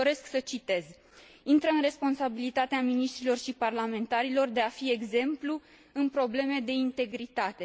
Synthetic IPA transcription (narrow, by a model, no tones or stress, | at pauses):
o̞ɾe̞sksət͡ʃit̪e̞z | int̪ɾəɨnre̞spo̞nsabilit̪at̪eaminiʃt̪ɾilo̞rʃiparlame̞nt̪aɾilo̞rd̪e̞afie̞ɡze̞mplu | ɨnpɾo̞ble̞me̞d̪e̞int̪e̞ɡɾit̪at̪e̞